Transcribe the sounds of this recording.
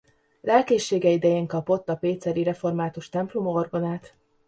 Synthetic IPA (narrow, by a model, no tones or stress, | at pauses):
lɛlkeːʃːeːɡɛid̪ɛjeːŋkɒpo̞t̪ːɒpeːt̪sɛɾiɾɛfo̞rmaːt̪uʃt̪ɛmplumo̞rɡo̞naːt̪